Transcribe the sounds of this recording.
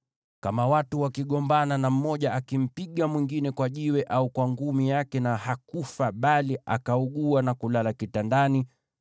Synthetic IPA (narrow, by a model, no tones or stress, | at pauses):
kamawatuwakiɠɔmbananam̩mɔʄaakim̩piɠamwiŋɡinɛkwaʄiwɛʔaukwaŋɡumijakɛnahakufaɓalia̰kauɠuanakulalakitandani